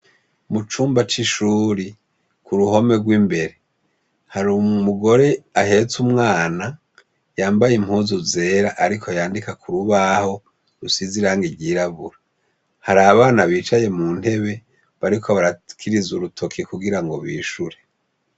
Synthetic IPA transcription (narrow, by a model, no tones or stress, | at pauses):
mut͡ʃuːmbat͡ʃiʃuɾi | kuɾuho̞me̞ɡwiːmbe̞ɾe̞ | haɾumuɡo̞ɾe̞ahe̞t͡sumŋaːna | jaːmbajim̥huːzuze̞ːɾaʔaɾikʰojaːndikakʰuɾuβaho̞ | ɾusiziɾaːŋɡiɾɟiːɾaβuɾa | haɾaβaːnaβiːt͡ʃaje̞muːn̥he̞βe̞ | βaɾikʰo̞βaɾakʰiɾizuɾutʰo̞kʰekuɡiɾaŋɡo̞βiːʃuɾe